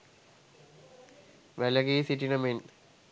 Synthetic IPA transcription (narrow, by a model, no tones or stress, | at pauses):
ʋælɐɡiːsiʈinɐmin